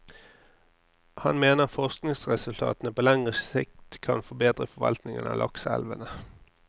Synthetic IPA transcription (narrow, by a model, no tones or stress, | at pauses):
hɑnmeːnəʁfɔʁsknɪŋsʁɛsʉlt̪ʰɑ̰ːt̪ənəpʰoːlæŋʁəɪkt̪kʰɑnfɔbeːd̪ʁəfɔʋɑ̰lt̪nɪŋənɑ̰ːlʔɑ̰ksæ̰lʋənə